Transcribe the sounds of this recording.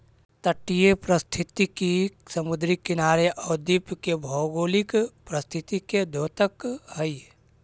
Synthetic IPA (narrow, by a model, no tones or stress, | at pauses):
t̪əʈːijepɾəst̪ʰɪt̪ikisəmʊd̪ɾikɪnaːɾeʔɔːd̪ipkebʱɔɡoːlikpɾəst̪ʰɪt̪iked̪ʱoːt̪əkhəi